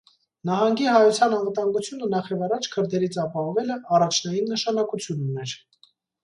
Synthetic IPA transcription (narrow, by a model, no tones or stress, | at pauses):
nɑɦɑŋɡiɦɑjut͡sʰjɑnɑnvət̪ɑŋɡut͡sʰjunənɑχjɛvɑrɑt͡ʃʰkʰəɾd̪ɛɾit͡sʰɑpɑhɔvɛləɑrɑt͡ʃʰnɑjinːəʃɑnɑkut͡sʰjununɛɾ